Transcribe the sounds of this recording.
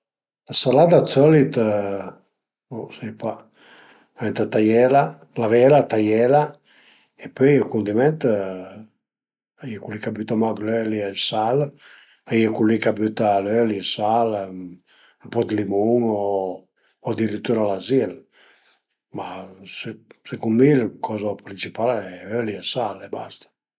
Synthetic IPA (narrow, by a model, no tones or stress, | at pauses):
lasalad̪at͡sɔlit̪ | nusɛpa | aɛnt̪at̪ajɛla | lavɛlat̪ajɛla | epøjilkund̪imɛnt̪ | ajɛkulikabyt̪amaɡlølialsal | ajekulikabyt̪alølisal | mpɔd̪limuŋo | ɔd̪iɾit̪ːuɾalazil | massekummilkʰɔzapɾint͡ʃipalɛøliɛsalɛbast̪ḁ